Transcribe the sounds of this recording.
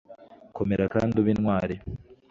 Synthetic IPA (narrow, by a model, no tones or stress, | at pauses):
ko̞me̞ɾakaːnduβinŋwaːɾi